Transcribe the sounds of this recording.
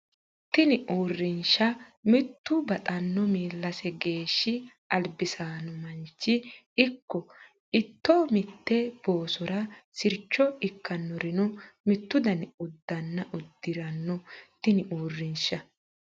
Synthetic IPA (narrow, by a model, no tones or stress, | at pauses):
t̪ɪnɪʔoːrːɪnʃɐmɪt̪ːʊbɐt̪ʼɐnːɔmiːlːɐsɛɡe̞ːʃːɪ | ʔɐlbɪsaːnɔmɐnt͡ʃːɪ | ɪkːɔ | ɪt̪ːɔmɪt̪ːɛb̥oːsɔɾɐsɪɾt͡ʃːɔɪkːɐnːɔɾɪnɔmɪt̪ːʊd̪ɐnʊd̪ːɐnːɐʔʊd̪ːɪɾɐnːɔt̪ɪnɪʔuːrːɪnʃɐ